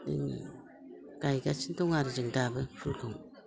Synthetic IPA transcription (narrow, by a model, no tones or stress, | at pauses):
dɯ̰ŋḭ | kajɡat͡ʃintɔŋaɾid͡ʒɯŋdabɯpʰulkʰɯŋ